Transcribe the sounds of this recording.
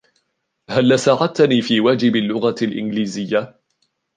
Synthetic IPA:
halːasaːʕat̪niːfiːwaːd͡ʒɪbalːʊɣalʔɪ̰nɡliːzɪjːa

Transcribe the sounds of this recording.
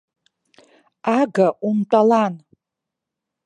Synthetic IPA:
aɡaʔumtʷʼalan

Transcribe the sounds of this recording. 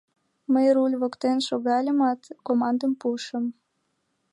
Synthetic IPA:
məjɾulʲβokt̪enʃoɣɑlʲəmɑt̪komɑnd̪əmpuʃəm

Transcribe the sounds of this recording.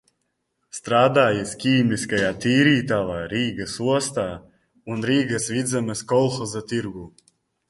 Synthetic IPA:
st̪ɾaːd̪aːjiskʲiːmʲiskajaːt̪iːɾiːt̪avaːɾiːɡɐsuɔst̪aː | unɾiːɡɐsvid̪zamɨskɔlˠxɔzat̪iɾɡuː

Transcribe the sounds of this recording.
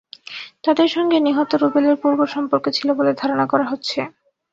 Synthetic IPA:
t̪ad̪eɾʃɔŋɡeniɦot̪oɾubeleɾpuɾboɾʃɔmpoɾkot͡ɕʰiloboled̪ʱaɾonakɔɾaɦotːɕʰe

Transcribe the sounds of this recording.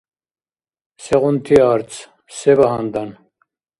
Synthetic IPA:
sɛʁunt̪ʰiaɾt͡sʰ | sɛvaɦand̪an

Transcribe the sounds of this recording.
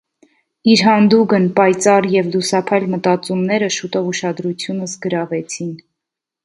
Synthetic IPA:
iɾɦɑnd̪uɡənpɑjt͡sɑrjɛvlusɑpʰɑjlmət̪ɑt͡sumnɛɾəʃut̪ɔvuʃɑd̪ɾut͡sʰjunəsɡəɾɑvɛt͡sʰin

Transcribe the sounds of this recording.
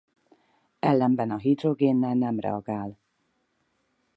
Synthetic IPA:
ɛlːɛmbɛnɒɦid̪roɡeːnːɛlnɛmrɛ̰ɒɡaːl

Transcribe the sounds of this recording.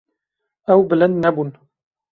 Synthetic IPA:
ʔawblanːabʊn

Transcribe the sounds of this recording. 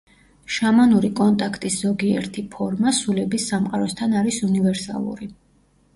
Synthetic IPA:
ʃamanuɾikʼɔnt̪ʼakʰt̪ʼisz̥ɔɡiɛ̰ɾt̪ʰipʰɔɾmasulɛbisːamqʼaɾɔst̪ʰanaɾisunivɛɾsa̰lˠṵɾi

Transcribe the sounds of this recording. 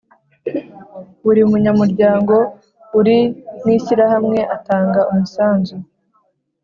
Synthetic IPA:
uɾiumuɲamuɾɟaːŋɡo̞ | uɾiniːsiɾahamŋe̞ʔataːŋɡaumusaːnzu

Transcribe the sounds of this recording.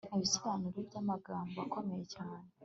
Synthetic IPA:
niβisiɾaniɾevɟamaɡaːmboakʰo̞mejecaːne

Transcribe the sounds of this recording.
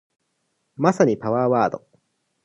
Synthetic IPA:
masaɲipaβaːβaːd̪o̰

